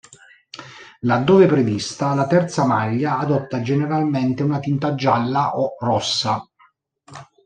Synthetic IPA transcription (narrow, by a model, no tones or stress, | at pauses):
lad̪ːɔːvepɾevist̪alat̪ɛrt̪samaʎːaːd̪ɔt̪ːad͡ʒeneɾalment̪eunat̪int̪ad͡ʒːalːaʔɔrɔsːa